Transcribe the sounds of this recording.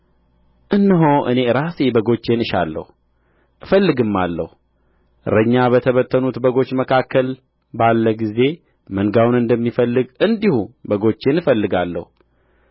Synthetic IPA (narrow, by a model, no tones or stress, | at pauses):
ʔɨnːɨɦoʔɨ̰ne̞ɾasebəɡo̞t͡ʃːe̞nɨʃa̰lːə̰hu | ʔɨfəlːɨɡɨmːa̰lːə̰hu | ɾəɲːaβət̪ʰəβət̪ʰːənut̪bəɡo̞t͡ʃːməkʰakʰːəl | balːəɡize̞ | məŋɡawnɨnd̪əmːifəlːɨɡɨnd̪ihubəɡo̞t͡ʃːe̞nɨfəlːɨɡalːə̰hu